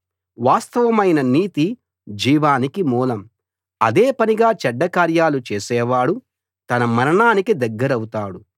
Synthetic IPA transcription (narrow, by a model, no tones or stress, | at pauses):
ʋaːst̪ɐʋɐmɐjnɐniːt̪i | d͡ʒiːʋaːnikimuːlɐm | ɐd̪eːpɐniɡaːt͡ʃɛɖːɐkaːɾjaːlut͡ʃeːsɛːʋaːɽu | t̪ɐnɐmɐɾɐɳaːnikid̪ɐɡːɐɾɐwut̪aːɽu